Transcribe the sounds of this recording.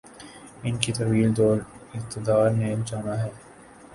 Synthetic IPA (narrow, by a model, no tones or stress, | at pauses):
ɪnkit̪ɐɾʋiːld̪oːlɪq̚t̪ɪd̪aːɾneld͡ʒaːnaɦɛː